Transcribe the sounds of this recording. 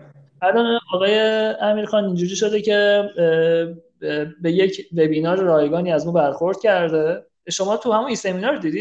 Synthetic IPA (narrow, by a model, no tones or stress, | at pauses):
ælɒnɒːɣɒːje̞æmiːɾxɒːnind͡ʒuɾiːʃo̞d̪ecʰe̞ | be̞jecʰve̞biːnɒːɾɾɒːjeɡɒːniːæzmubæɾxoɾd̪̥̚cʰæɾd̪e | ʃo̞mɒːt̪ʰuhæmunise̞miːnɒɾd̪iːd̪i̥